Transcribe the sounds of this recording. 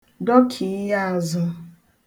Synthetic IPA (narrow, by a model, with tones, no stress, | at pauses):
dɔ˦kʰi˨˦ja˦a˨zʊ˦